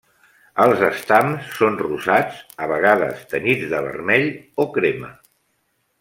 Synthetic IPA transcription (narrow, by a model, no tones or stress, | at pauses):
əlˠzəst̪amsːonruzat͡səβəɣ̞aðə̰st̪ənid͡zðəβə̰rmɛʎokɾemə̰